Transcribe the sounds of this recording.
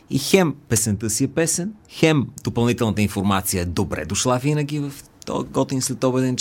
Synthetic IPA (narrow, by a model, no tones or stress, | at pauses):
ixɛmpɛsɛnt̪əsiɛpɛsɛnxɛmd̪opəlˠnit̪ɛlˠnət̪əinfoɾmat̪sijəɛd̪obɾɛ̰d̪oʃlˠavinəɡ̟ʲivəf | t̪ɔ̰ɡɔt̪inslɛt̪ɔbɛd̪ɛnt͡ʃ